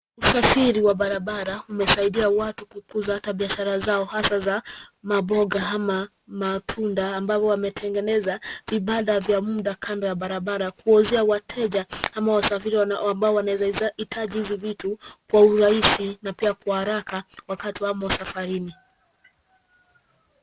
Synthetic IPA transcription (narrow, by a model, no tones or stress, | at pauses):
usafiɾiwaɓaɾaɓaɾaumɛsaiɗiawatukukuzahataɓiaʃaɾazaɔhasazamaɓɔɡaɦama | matʰundaːmbavɔwamɛtʰɛŋɡɛnɛzaviɓaɗavjamuɗakʰandɔjaɓaɾaɓaɾakuɔzɛawatʰɛʄahamawasafiɾiambaɔwanaɛzitʰaʄihizivitukwauɾaisinapiakwahaɾakawakatiwamawasafaɾini